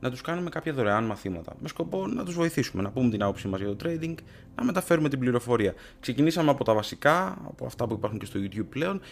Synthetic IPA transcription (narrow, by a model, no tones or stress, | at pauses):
nɐt̪uskɐnume̞kɐpçɐðoɾeɐnmɐθimɐt̪ɐ̰me̞sko̞po̞nɐt̪uzvo̞iθisume̞nɐpumet̪inɐpo̞psimɐzʝɐt̪o̞t̪ɾe̞jd̪iŋɡ | nɐme̞t̪ɐfe̞ɾumet̪ibliɾo̞fo̞ɾiɐ | ksecinisɐmeɐpo̞t̪ɐvɐsikɐɐ̰po̞ɐ̰ft̪ɐpuipɐɾxuŋce̞st̪ojut̪çub̚ple̞o̞n